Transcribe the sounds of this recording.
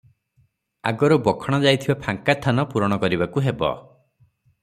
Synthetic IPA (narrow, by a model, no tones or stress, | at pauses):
a̰ɡɔɾɔbɔkʰɔɽ̃ɔd͡ʒajt̪ʰibapʰaŋkat̪ʰːanɔpuɾɔɽ̃ɔkɔɾibakuɦebɔ̰